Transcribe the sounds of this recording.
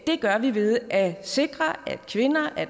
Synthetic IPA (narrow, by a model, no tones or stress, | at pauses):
d̥e̝ɡ̥ɶɐʋiʋe̝ð̞ˠʔæse̝ɡ̥ʁɐæd̥kʰʋe̝nɐʔæ